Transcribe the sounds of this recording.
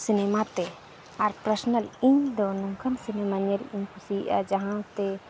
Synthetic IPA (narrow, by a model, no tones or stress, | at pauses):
sinemat̪ɛ | aɾpɾəsnəliɲd̪ɔnɔŋkʰənsinemaɲəliɲpʰusij̰ʔa̰d͡ʒaɦãt̪ɛ